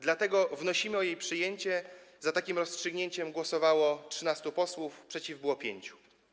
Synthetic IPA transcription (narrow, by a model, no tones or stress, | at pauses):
d̪lat̪ɛɡɔvnɔɕimɘɔjejpʂɘjeɲt͡ɕɛzat̪akʲimɾɔstʂɘɡɲeɲt͡ɕɛmɡwɔsɔvawɔtʂɨnast̪upɔswufpʂɛt͡ɕivbwɔpʲjḛɲt͡ɕu̥